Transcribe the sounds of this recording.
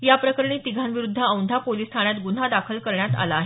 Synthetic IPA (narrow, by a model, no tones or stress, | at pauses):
japɾəkəɾɳiːt̪iɡʱanʋiɾud̪ʱːəəwnd̪ʱapoliːst̪ʰaɽjat̪ɡun̤ad̪akʰəlkəɾɳjat̪a̰laːɦe